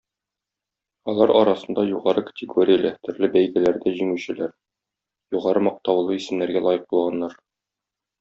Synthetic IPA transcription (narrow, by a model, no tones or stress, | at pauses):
ɒlˠɑɾɒɾɑsɤ̆nd̪ɑjuʁɑɾɤkə̥t̪ʲɪɡoɾʲɪjəlæt̪ɵ̆ɾlɘbæjɡælæɾd̪æʑiŋʉɕɘ̆læɾ | juʁɑɾɤmɒq̚t̪ɑwlˠɤisɘ̆mlæɾɡælˠɒjɤq̚bulˠʁɑnːɑɾ